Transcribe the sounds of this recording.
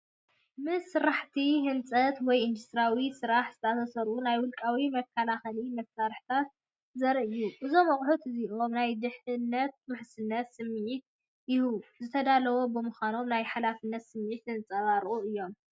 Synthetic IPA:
mɨsːɨɾaħt̪ʰiɦɨnt͡sʼɐt̪wɔjɨnd̪ust̪ɾawisɨɾaħz̥ɨt̪ʰɐat̪ʰɐsɐɾunajwʊlkʼawimɐkʰːɐlaxɐlimɐst̪aɾħt̪ʰat̪̚ | zɐɾʔɨjuʔɨzo̞mːɐχʼħut̪ɨziʔomnajd̪ɨħɨnːɐt̪̚mɨħsɨnːɐt̪sɨmːʕit̪̚ | jɪhuzɨt̪ʰɐd̪alɐwo̞bɨmuxʷano̞mnajħalafɨnːɐt̪sɨmːʕit̪ɨnt͡sʼɐβaɾʔuʔɨjːo̞m

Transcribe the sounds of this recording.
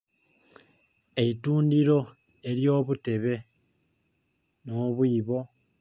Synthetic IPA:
e̞ituːndiɾo̞ | e̞ɾjo̞ːβute̞βe̞ | noːβwiːβo̞

